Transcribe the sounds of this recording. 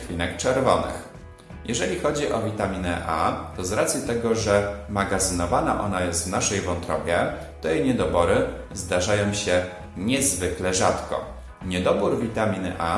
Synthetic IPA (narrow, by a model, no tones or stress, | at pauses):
lʲinɛkt͡ʂɛɾvɔnɘ̰x | jɛʐɛlʲixɔd͡ʑiʔɔvʲit̪amʲinɛ̰ʔat̪ɔzɾat̪sʲjit̪ɛɡɔʐɛmaɡazɘnɔvanaʔɔ̰najɛst̪vnaʂɛjvɔnt̪ɾɔbʲjɛ | t̪ɔeɲɛd̪ɔbɔɾɘ | zd̪aʐajɔ̃w̃ɕɛ | ɲɛzvɘklɛʐat̪kɔ̰ | ɲɛd̪ɔbuɾvʲit̪amʲinɘ̰ʔa